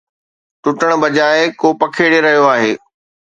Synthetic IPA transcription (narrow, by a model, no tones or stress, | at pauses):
ʈʊʈəɽ̃bɐd͡ʑaːɪkopɐkʰeːɽeɾɐɦijoaːɦeː